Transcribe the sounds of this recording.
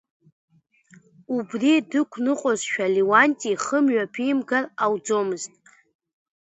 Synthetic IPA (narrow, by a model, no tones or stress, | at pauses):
ubridɨkʷʰnɨqʷʼozʃᶣaliwantʼiχəmɥᶣapʰimɡarawd͡zomɨztʼ